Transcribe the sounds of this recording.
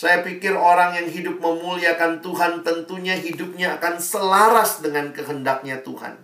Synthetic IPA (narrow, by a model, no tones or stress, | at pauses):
sajapikɪroɾaŋjaŋɦidʊp̚məmuliakant̪uɦant̪ənt̪uɲaɦidʊp̚ɲaːkansəlaɾasdəŋankəɦəndak̚ɲat̪ṵha̰n